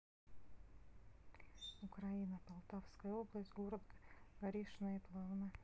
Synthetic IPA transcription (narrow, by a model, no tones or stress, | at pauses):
ʊkɾainəpɐlˠt̪afskəjəoblˠəsʲtʲɡoɾəd̪ɡɡɐɾʲiʂnəjəplˠavnə